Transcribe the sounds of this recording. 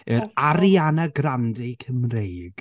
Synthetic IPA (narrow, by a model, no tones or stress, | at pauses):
ɨɾaɾianaɡrandekʰəmrejɡ̥